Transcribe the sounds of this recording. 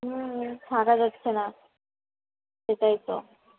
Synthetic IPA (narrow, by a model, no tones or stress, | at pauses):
ɦ̩tʰakad͡ʑat̪ːɕʰena | ʃet̪ajt̪o̰